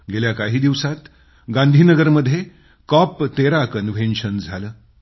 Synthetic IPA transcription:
ɡeljakaɦiːd̪iʋsat̪ | ɡãnd̪ʱiːnəɡəɾməd̪ʱːje | kɔpt̪eɾakənʋʱẽnɕənd͡zʱaləː

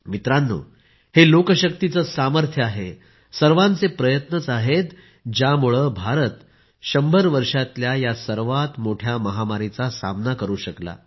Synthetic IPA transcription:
mit̪ɾanːo̰ | helokəɕəkt̪it͡səːsaməɾt̪ʰjəaɦe | səɾʋãnt͡sepɾəjət̪nət͡saɦet̪ | d͡ʑjamuɭəbʱaɾət̪ | ɕəmbʱəɾʋəɾʂat̪ljajasəɾʋat̪moʈʰjaməɦamaɾit͡sasa̰mnakəɾuːɕəkla̰

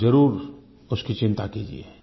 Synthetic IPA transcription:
ɐɾuːɾ | ʊskit͡ʃɪ̃nt̪akiːd͡ʒḭḛ

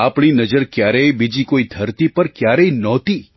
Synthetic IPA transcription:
apɳinəd͡ʒəɾkjaɾəjbid͡ʒikoid̪ʱəɾt̪ipəɾkjaɾəjnɔt̪i

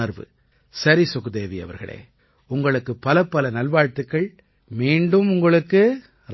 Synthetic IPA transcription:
ɐɾʋɯ̰ | sɐɾisʊɣɯd̪eːʋiɐ̰ʋɐ̰ɾɣɐ̰ɭḛː | ʊŋɡɐɭɯkːɯpːɐlɐpːɐlɐnɐlʋaːɻt̪ɯkːɐɭ | miːɳɖɯmʊŋɡɐɭɯkːɯ | ɾ

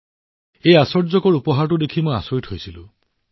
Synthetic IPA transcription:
ejasɔɹd͡ʒɔkɔɹupɔɦaɹʈud̪ekʰimoja̰soitɦojsilṵ

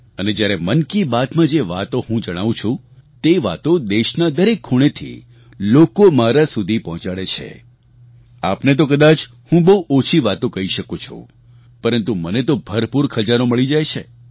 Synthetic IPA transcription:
əned͡ʒjaɾemənkibat̪mãd͡ʒeʋat̪oɦũd͡ʒəɽ̃aʋũt͡ʃʰũ | t̪eʋa̰t̪od̪eʃnad̪əɾekʰːuɽ̃et̪ʰḭ | lokomaɾasud̪ʱipɔɦɔ̃t͡ʃaɽet͡ʃʰḛ | apnet̪̬okəd̪at͡ʃ | hũbəɦuʔot͡ʃʰiʋat̪okəɦiʃəkot͡ʃʰṵ̃ | pəɾənt̪umənet̪obʱəɾpuɾkʰəd͡ʒaɾoməɭid͡ʒajt͡ʃʰḛ

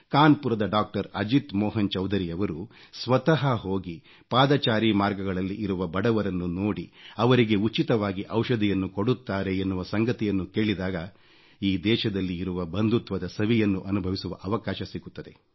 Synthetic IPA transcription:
kaːnpuɾɐd̪ɐɖaːk̚ʈɐɾɐ̰d͡ʒit̪mɔːɦɐnt͡ʃɐwd̪ʱɐɾijɐʋɐɾu | sʋɐt̪ɐɦɐɦoːɡi | paːd̪ɐt͡ʃaːɾimaːɾɡɐɡɐɭɐlːiʔːɾuʋɐbɐɽɐʋɐɾɐnːunoːɽiɐʋɐɾiɡe̞ut͡ʃit̪ɐʋaːɡiʔɐwʃɐd̪ʱijɐnːuko̞ɽut̪ːaːɾe̞ːnːuʋɐsɐŋɡɐt̪ijɐnːuke̞ːɭid̪aːɡɐ | iːd̪ɛːʃɐd̪ɐlːiːɾuʋɐbɐnd̪ut̪ʋɐd̪ɐsɐʋijɐnːuʔɐnubʱɐʋisuʋɐʔɐʋɐkaːʃɐsiɡut̪ːɐd̪e̞

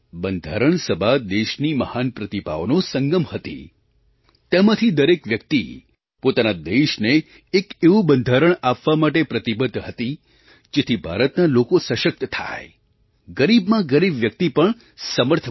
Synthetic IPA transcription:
bənd̪ʱaɾəɳsəbʱad̪eʃniməhanpɾət̪ipa̰onosəŋɡəmhət̪ḭ | t̪emãt̪ʰid̪əɾekʋjək̚t̪ḭ | pot̪anad̪eʃneː | keʋũbənd̪ʱaɾəɳapʋamaʈepɾət̪ibəd̪ʱɦət̪i | d͡ʒet̪ʰibʱa̰ɾət̪nalokosəʃək̚t̪t̪ʰa̰j | ɡəɾibmãɡəɾibʋjək̚t̪ipəɳ | səməɾt̪ʰə

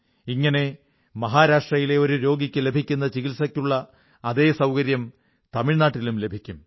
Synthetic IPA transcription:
iŋːɐne̞ | mɐɦaːɾaːʂʈrɐjile̞o̞ɾuɾo̞ːɡikʲːɨle̞bʱikʲːunːɐt͡ɕiɣilsɐkʲːuɭːɐː | ðe̞ːsɐwkɐɾjɐm | t̪ɐmiɻnaːʈːilumle̞bʱikʲːum

